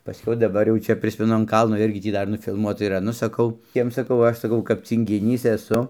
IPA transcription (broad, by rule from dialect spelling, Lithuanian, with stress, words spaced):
pɐˈsʲkʲɛʊ dɐˈbɐr jɛʊ ˈt͡ʃʲɛ ˈpʲrʲɪsʲmʲɛnʊ ɐn ˈkɐlˠnoː ˈɪrʲɡʲɪ ˈtʲiː ˈdɐr nʊfʲɪlˠˈmuɔtɐ iːˈrɐ ˈnʊ sɐˈkɐʊ ˈjiɛm sɐˈkɐʊ ˈɐʃ sɐˈkɐʊ kɐp t͡sʲiːŋʲɡʲɪˈnʲiːs ɛˈsʊ